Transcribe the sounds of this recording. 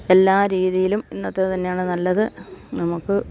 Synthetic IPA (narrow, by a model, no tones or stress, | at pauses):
e̞lːaːɾiːðijilumenːot̪ːet̪ɐnːejaːɳɨnɐlːɐðɨnɐmukːɨ